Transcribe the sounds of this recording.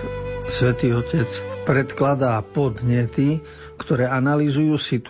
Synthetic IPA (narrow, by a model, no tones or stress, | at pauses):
sʋɛt̪iːɔcɛt͡spɾɛt̪klad̪aːpɔd̪ɲɛt̪i | kt̪ɔɾɛːanalizujuːsit̪